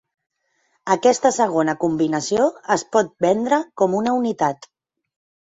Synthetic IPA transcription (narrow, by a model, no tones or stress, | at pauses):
əkɛst̪əsəɣ̞onəkumbinəsioəspɔt̪̚bɛnd̪ɾəkɔmunəunit̪at̪